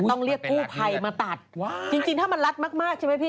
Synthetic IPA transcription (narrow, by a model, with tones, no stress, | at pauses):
ɔ˥˩ŋɾi˥˩əkːuː˥˩pʰa˧jmaː˧t̪a˨˩t̪̚t͡ɕi˧ŋt͡ɕi˧ŋt̪ʰaː˥˩ma˧nɾa˦˥t̪̚maː˥˩k̚maː˥˩k̚t͡ɕʰjma˥˩pʰiː˥˩